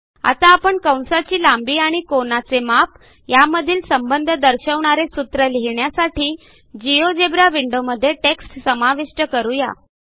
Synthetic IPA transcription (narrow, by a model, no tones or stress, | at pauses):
a̰t̪aːpəɳkə̃w̃sat͡ɕiːlambiːaɽ̃ikonat͡semap | jaməd̪ʱiːlsəmbənd̪ʱəd̪əɾɕəʋɳaɾesut̪ɾəliɦiɳjasaʈʰiː | d͡ʑijod͡ʑebɾaʋiɳɖoməd̪ʱːjeʈeksʈsəmaʋeʂʈəkəɾuja̰